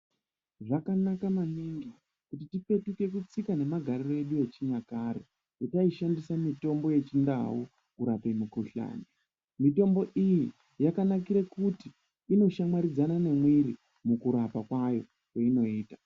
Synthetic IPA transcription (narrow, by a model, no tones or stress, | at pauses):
ʐakanakamaniŋɡi | kutitipe̞tuke̞kut͡sikane̞maɡʱaɾiroeɗue̞t͡ʃiɲakaɾḛ | jitaiʃandisamito̞mbo̞je̞t͡ʃinda̰wu | uɾapemukuɬa̰ːni | mito̞mbo̞ʔiji | jakanakiɾekuti | ino̞ʃamaɾid͡zanane̞mwiɾi | mukuɾapakwajo̞̰ | kweino̞iːtḁ